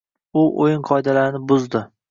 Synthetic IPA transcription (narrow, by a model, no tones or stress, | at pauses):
ʊʔojɪɴqʰɒjd̪alaɾɪnɪbʊzd̪ɪ